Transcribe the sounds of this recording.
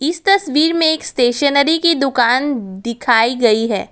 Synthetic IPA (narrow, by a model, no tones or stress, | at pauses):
ɪst̪ɐsʋiːɾmẽeːksʈeːʃənəɾikid̪ʊkaːnd̪ɪkʰaːiɡɐiɦɛ̰ː